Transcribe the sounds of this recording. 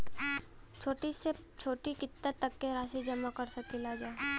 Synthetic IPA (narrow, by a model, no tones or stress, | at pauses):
t͡ʃʰoːʈise | t͡ʃʰoːʈikɪt̪ːat̪ːɐkːeɾaːsid͡ʒɐmakɐɾsɐkɪlad͡ʒae